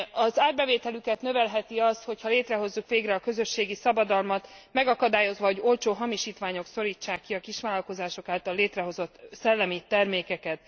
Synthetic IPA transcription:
ɒzaːrbɛveːt̪ɛlykɛt̪nø̞vɛlɦɛt̪iɒst̪ho̞chɒleːt̪rɛɦo̞zːukʋeːɡrɛɒkø̞zø̞ʃːeːɡisɒbɒd̪ɒlmɒt̪mɛɡɒkɒd̪aːjo̞zʋɒɦo̞ɟo̞lt͡ʃoːɦɒmiʃiːt̪ʋaːɲo̞kso̞ɾiːt͡ʃːaːkːiɒkiʃʋaːlɒlko̞zaːʃo̞kaːlt̪ɒlːeːt̪rɛɦo̞zo̞t̪sɛlːɛmit̪ɛrmeːkɛkɛt̪̚

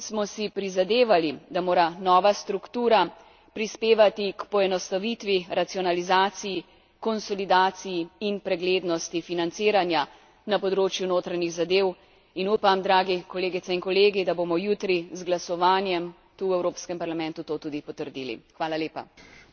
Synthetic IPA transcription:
smɔsipɾizad̪eːʋalid̪amoːɾanɔːʋast̪ɾukt̪uːɾa | pɾispeːʋat̪ikpɔɛnɔst̪aʋit̪ʋiɾat̪siɔnalizaːt̪siji | kɔnsɔlid̪aːt̪sijiinpɾɛɡleːd̪nɔst̪ifinant̪siːɾanja | napɔd̪ɾoːt͡ʃjunoːt̪ɾaɲiɣzad̪eːw | inuːpamd̪ɾaːɡikɔleːɡit̪ɛinkɔleːɡid̪aboːmɔjut̪ɾizɡlasɔʋaːnjɛm | t̪uːwɛwɾoːpskɛmpaɾlamɛ̃nt̪ut̪oːt̪uːd̪ipɔt̪əɾd̪iːlḭxʋaːlaleːpa̰

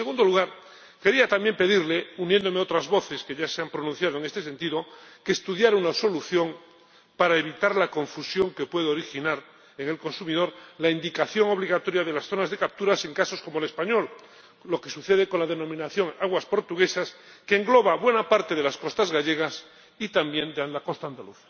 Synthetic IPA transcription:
seɣund̪oluɣaɾ | ke̞ɾiat̪amje̞mpe̞ðiɾle̞unje̞nd̪o̞meo̞t̪ɾazβo̞θe̞ske̞ʝaseampɾonũn̟θjað̞oeŋe̞st̪e̞s̬e̞nt̪iðo̞ke̞ːst̪uðjaɾunaso̞luθjo̞ŋ | paɾaeβ̞it̪aɾlako̞ɱfusjoŋke̞pwe̞ðeo̞ɾixinaɾ | e̞ŋe̞lko̞nsumiðo̞ɾlaind̪ikaθjo̞ŋo̞β̞liɣat̪o̞ɾjaðe̞lasθo̞nazðe̞kap̚t̪uɾase̞ŋkaso̞sko̞mole̞spaɲo̞l | lo̞ke̞suθe̞ð̞e̞ko̞nlaðe̞nõ̞mĩnaθjo̞ŋaɣwaspo̞ɾt̪uɣ̞e̞sas | ke̞ːŋɡlo̞βaβwe̞napaɾt̪e̞ðe̞lasko̞st̪azɣaʎe̞ɣ̞as | it̪ambje̞nd̪eand̪ako̞st̪aːnd̪aluθḁ

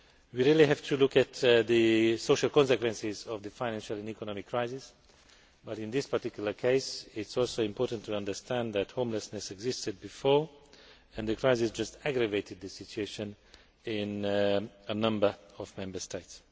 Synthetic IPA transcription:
wiɹilˠiɦæv̥tʰɨlʊkɨt̪ðɨsoʊʃəlˠkɔ̃nsɨkwɛ̃nsɪzɔvðɨfãɪnæ̃nʃəlˠɛ̃nikɔnɔmɪkʰːɹ̥aɪzɪs | b̥ʌɾɪ̃nðɪspəɹtikjul̩ˠə˞kʰeɪsɪtsɔlˠsoʊɪ̃mpʰɔɹtntʰːuʌ̃ndə˞stʰæ̃nðæthõʊ̃mləsnɨsɛɡzɪstɨd̚bɨfɔɹ | ɨ̃nðɨkʰɹ̥aɪzɪsd͡ʒʌstæɡɹəveɪtɨd̪̚ðɨsɪt͡ʃueɪʃɨ̃n | ɪ̃n | ənʌ̃mbə˞ɔvmɛ̃mbə˞stʰeɪts

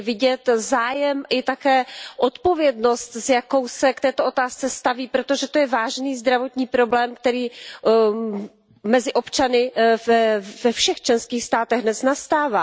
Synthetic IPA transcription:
vɪɟɛt̪zaːjɛmʔɪt̪akɛːʔot̪po̞vjɛdno̞st̪zjako̞wsɛkt̪ɛːt̪oʔo̞t̪aːst͡sɛst̪aviːpɾo̞t̪o̞ʒɛt̪o̞jɛvaːʒniːzd̪ɾavo̞t̪ɲiːpɾo̞blɛːmk̚t̪ɛɾiː | mɛzɪʔo̞pt͡ʃanɪvɛvɛfʃɛxt͡ʃlɛnskiːxst̪aːt̪ɛɣdnɛsnast̪aːvaː

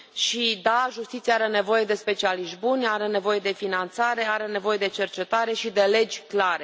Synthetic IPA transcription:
ʃid̪aʒust̪it̪sijeaɾe̞ne̞vo̞je̞d̪e̞spe̞t͡ʃialiʃt̪bunʲaɾe̞ne̞vo̞je̞d̪e̞finant̪saɾe̞aɾe̞ne̞vo̞je̞d̪e̞t͡ʃe̞rt͡ʃe̞t̪aɾe̞ʃid̪e̞le̞d͡ʒʲklaɾe̞

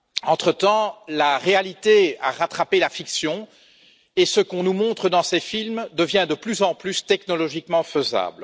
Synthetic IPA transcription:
ɑ̃t̪χət̪ɑ̃laʁealit̪ea̰ʁat̪χapelafiksjɔ̃ | esəkɔ̃numɔ̃t̪χəd̪ɑ̃sɛfilmd̪əvjɛ̃d̪əplyzɑ̃plyst̪ɛknɔlɔʒikmɑ̃fəza̰ːbl

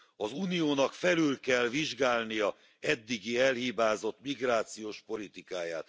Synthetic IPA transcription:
ɒzuːnijoːnɒkfɛlylkɛlviʒɡaːlnijɒ | ɛd̪ːiɡiɛlhibaːzo̞t̪miɡraːt̪sijoːʃpo̞lit̪ikaːja̰ːt̪

